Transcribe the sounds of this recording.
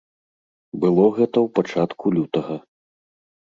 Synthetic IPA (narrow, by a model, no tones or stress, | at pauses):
bɨlˠɔɣɛt̪ɐwpat͡ʂat̪kʰulʲut̪ɐɣɐ